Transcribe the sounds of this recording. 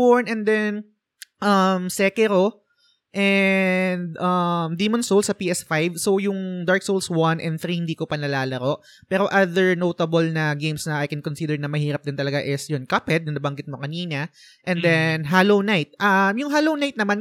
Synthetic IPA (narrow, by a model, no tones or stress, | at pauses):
oɹnɛnd̪ɛn | ʔɐmsɛkɛɾo | ʔɛnd̪ʔɐmd̪iːmɔnsowlsɐpiːʔɛsfajvso̞wjʊŋd̪aɹk̚sowlswɐnʔɛnθɾiːhɪnd̪iːkopɐnɐlaːlɐɾo̞ʔ | pɛːɾo̞ʔaðɛɹnowt̪ɐbɐlnɐɡejmsnɐajkɛnkonsid̪ɛɹnɐmɐhiːɾɐp̚d̪ɛnt̪ɐlɐɡaʔɪsjʊnkɐpɛd̪̚nɐnɐbɐŋɡɪt̪̚mokɐniːnɐ | ʔɛ̃nd̪ɛnɦalownajt̪̚ʔɐmjʊŋɦaːlownajt̪̚nɐman